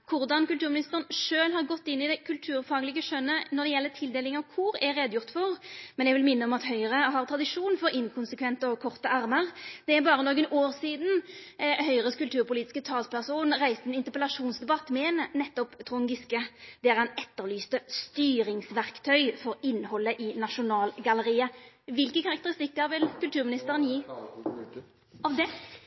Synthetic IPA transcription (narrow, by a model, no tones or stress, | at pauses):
kʰʊʁd̪ɑnkʉlt̪ʉːɾmɪnɪst̪əʁənʂøːlɦɑʁɡɔt̪ːɪnːɪd̪ɛkʰʉlt̪ʰʉːɾfɑːɡəlɪːɡəʂœnːənɔʁd̪ɛjɛlːət̪ʰɪld̪eːlɪŋɑʋkʰʊɾɛɾeːd̪jʊʁt̪fɔʁmɛnjɛɡʋɪlmɪnːəɔmɑt̪hœʏʁəɦɑʁt̪ʰɾɑd̪ɪʂuːnfɔɾɪnkʰʊnsəkʰʋɛnt̪əɔkʰɔʁt̪əɑʁməʁd̪ɛːʁbɑːʁənoːɡənoːʁsiːd̪n̩hœʏʁəkʉlt̪ʰʉːʁpʊliːt̪ɪ̥skət̪ʰɑːlspʰæʁsuːnʁæɪst̪əɛnɪnt̪əʁpəlɑʂuːnsd̪ɛbɑt̪ːmɛnnɛt̪ːɔpt̪ʰʁʊŋɡɪskəd̪̥ɛæʁɑnɛt̪ːəʁlyːst̪əst̪yːɾɪŋsʋæʁkt̪ʰœʏfɔʁɪnːhɔlːəʔɪnɑʃʊnɑːlɡɑləɾiːə | ʋɪlkəkʰɑʁɑk̚t̪əʁɪst̪ɪkːəɾʋɪlkʉlt̪ʉːʁmɪnɪst̪əʁənjiː | ɑʋd̪ɛ